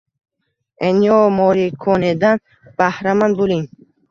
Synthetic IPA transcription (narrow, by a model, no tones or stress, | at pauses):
eniɔmɔɾikʰɔned̪an | b̥ahɾamanbuliŋ